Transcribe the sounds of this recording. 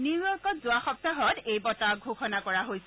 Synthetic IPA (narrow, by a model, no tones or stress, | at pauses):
niɔkɔtzʊaxɔp̚taɦɔtejbɔtaɡʱoxɔnakɔɹaɦojsɛ